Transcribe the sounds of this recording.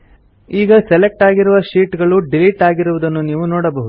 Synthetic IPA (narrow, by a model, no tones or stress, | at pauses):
iːɡɐselek̚ʈaːɡiɾuʋɐʃiːʈɡɐɭuɖiliʈaːɡiɾuʋud̪ɐnːuniːʋunoːɽɐbɐɦud̪u